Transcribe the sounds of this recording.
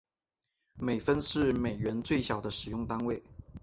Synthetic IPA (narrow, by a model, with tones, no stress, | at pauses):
me˨˩ɪfə˥nʂɻ̩˥˩me˨˩ɪɥɛ˧˥nt͡swe˥˩ɪɕjɑ˨˩ʊd̪ə˦ʂɻ̩˨˩jʊ˥˩ŋt̪a˥nwe˥˩ɪ